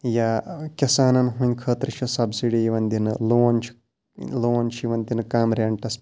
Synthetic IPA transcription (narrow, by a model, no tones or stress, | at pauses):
jaːkʲɐsaːnɐnɦunʲkʰəːt̪ɾit͡ʃʰɐsɐbsiɽijiʋɐnd̪inɨloːɐnʲt͡ʃʰ | loːɐnt͡ʃʰiʋɐnd̪inɨkaːmɾʲɐɳʈɐs